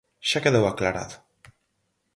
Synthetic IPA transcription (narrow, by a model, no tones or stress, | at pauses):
ʃakeðewaklaɾa̰t̪